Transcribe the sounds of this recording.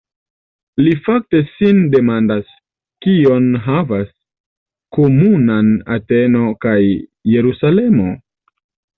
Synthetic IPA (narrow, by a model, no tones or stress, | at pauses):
lifak̚te̞sinde̞mandas | kio̞nɦavas | komunana̰teno̞kajːe̞ɾusale̞mo̞